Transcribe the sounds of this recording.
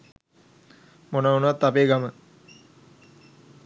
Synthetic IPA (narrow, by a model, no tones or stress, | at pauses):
monaunəʋat̪ːapeːɡamə